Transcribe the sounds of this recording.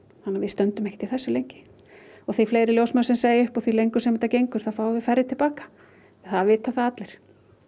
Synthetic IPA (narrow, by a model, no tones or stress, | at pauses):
hanːavɪðst̪œnt̪ʏmɛhcɪ̥t̪ʰːilθɛsːʏlejɲcɪ̥ | ɔɣθejfleːjɾɪljowsmœsɛmseːjɪʏhpɔθvilejŋkʏsɛmɛt̪acejŋkʏɾ̥θaðfaːwðɪfɛɾːɪt̪ʰɪlpaːkḁ | ɛθaðvɪːt̪aθaðat̪lɪɾ̥